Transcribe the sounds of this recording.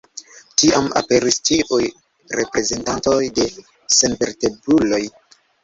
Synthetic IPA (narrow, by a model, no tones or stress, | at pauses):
tiama̰pe̞ɾistiʔuj | ɾe̞pɾe̞ze̞ntanto̞jde̞ | senve̞ɾte̞bulo̞j